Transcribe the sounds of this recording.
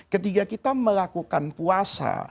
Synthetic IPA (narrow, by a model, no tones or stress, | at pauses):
kət̪ikakit̪aməlakukanpuasa̰